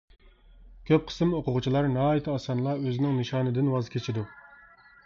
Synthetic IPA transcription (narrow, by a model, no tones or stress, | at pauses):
kʲʰøp̚qʰə̥sɨmoqʰʊʁʊt͡ʃʰilˠɑɾnɑːjit̪ʰɨɑsɑnlˠɑøzɪnɪŋnɨʃɑːnɨd̪ɪnwɑzkʲʰet͡ʃʰɪd̪u